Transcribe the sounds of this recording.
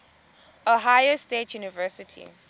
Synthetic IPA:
oɦajəstetʰjunivɛsitʰḭ

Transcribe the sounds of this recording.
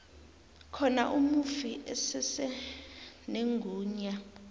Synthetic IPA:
kʰɔna̰ʔumufiʔɛsɛsɛ | neŋɡʱuːɲa

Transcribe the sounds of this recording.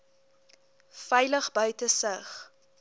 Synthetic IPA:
fɛjləχbœɥtəsəχ

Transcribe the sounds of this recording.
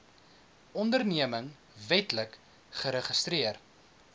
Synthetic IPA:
ɔndərniəməŋ | vɛtlək | χəɾəχəstɾiər

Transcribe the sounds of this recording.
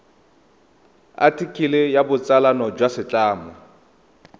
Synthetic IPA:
a̰tʰʼikʼilɪjabʊt͡sʼalanɔd͡ʒwasɪt͡ɬʼaːmɔ

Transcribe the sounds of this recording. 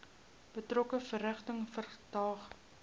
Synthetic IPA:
b̥ətrɔkəfəɾæχtəŋfərtɑːχ

